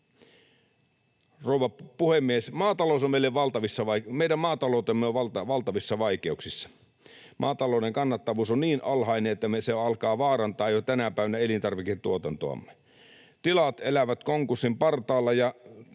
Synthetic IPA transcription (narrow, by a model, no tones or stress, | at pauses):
rouʋɑpuhemːiesmɑːt̪ɑloˑsommeilːeʋʋɑlt̪ɑʋisːɑʋɑimeidæmmɑːt̪ɑloˑut̪emːeoʋɑlt̪ʋɑlt̪ɑʋisːɑʋɑikeuksisːɑ̥ | mʔɑ̰ːt̪ɑloˑneŋkɑnːɑt̪ːɑʋuːsonniːnʔɑlhɑineet̪ːæmeseɑlkɑːʋɑːrɑnt̪ɑːjjot̪ænæpæˑiʋænæelint̪ɑrʋiket̪uot̪ɑnt̪o̰ɑ̰mːe | t̪ilɑt̪elæʋæt̪koŋkursːimpɑrt̪ɑːlːɑjɑ